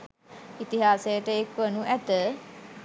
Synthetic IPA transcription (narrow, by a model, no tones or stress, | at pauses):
it̪iɦaːsejəʈəekʋənuʔæt̪ə